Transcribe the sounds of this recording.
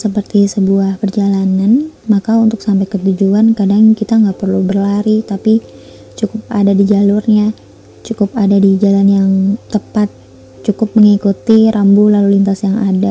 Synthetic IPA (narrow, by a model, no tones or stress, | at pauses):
səpərt̪isəbuahpərd͡ʒalananmakaunt̪ʊksampajkət̪ud͡ʒuankadaŋkit̪aŋɡaʔpərlubərlaɾit̪api | t͡ʃukʊp̚adadid͡ʒalʊrɲa | t͡ʃukʊpadadid͡ʒalanjaŋt̪əpat̪̚ | t͡ʃukʊp̚məŋikut̪iɾʔambulalulint̪asjaŋada